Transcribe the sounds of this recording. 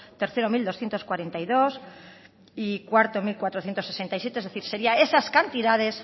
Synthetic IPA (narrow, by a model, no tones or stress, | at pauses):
t̪e̞ɾθe̞ɾomild̪o̞sθjent̪o̞skwaɾe̞nt̪ajðo̞s | ikwaɾt̪omilkwat̪ɾo̞θje̞nt̪ose̞se̞nt̪ajsjet̪ezðeθiɾse̞ɾiae̞saskant̪iðað̞e̞s